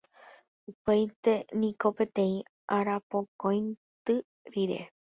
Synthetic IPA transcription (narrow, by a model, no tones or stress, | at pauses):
upejt̪e̞nĩko̞pe̞t̪ẽ̞ĩ | ʔaɾapokõjnt̪ɨ | ɾiɾe̞̰